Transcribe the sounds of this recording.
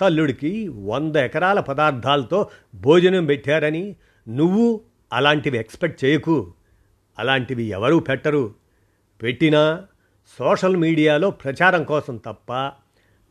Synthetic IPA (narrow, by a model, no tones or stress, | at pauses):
t̪ɐlːuɽikiʋond̪ɐɛkɐɾaːlɐpɐd̪aːɾd̪ʱaːlɐt̪o̞ːbʱoːd͡ʒɐnɐmpeʈːaːɾɐni | nuʋːu | ɐlaːɳʈiʋiekspeʈ̚t͡ʃeːjɐku | ɐlaːɳʈiʋiɛʋɐɾuːpɛʈːɐɾu | peʈːinɐ | sɔːʂɐlmiːɽijaːlo̞ːpɾɐt͡ʃaːɾɐmkɔːsɐmt̪ɐpːɐ